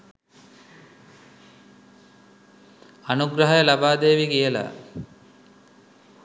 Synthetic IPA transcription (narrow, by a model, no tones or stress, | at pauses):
anuɡɾɐɦajəlabaːd̪eːʋikijəla̰